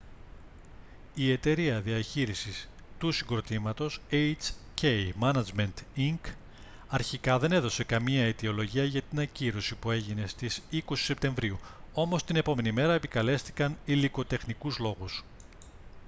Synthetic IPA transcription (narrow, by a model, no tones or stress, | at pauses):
ie̞t̪e̞ɾiɐðiɐçiɾisis | t̪usiŋɡɾo̞t̪imɐt̪o̞sejt͡scejmɐnɐd͡zme̞nt̪iŋk | ɐɾçikɐðe̞ne̞ðo̞se̞kɐmiɐit̪io̞lo̞ʝiɐʝɐt̪inɐciɾo̞sipue̞ʝine̞st̪isiko̞si̥se̞p̚t̪ẽ̞ɱvɾiuo̞mo̞st̪ine̞po̞me̞nime̞ɾɐe̞pikɐle̞st̪i̥kɐniliko̞t̪e̞xnikuzlo̞ɣus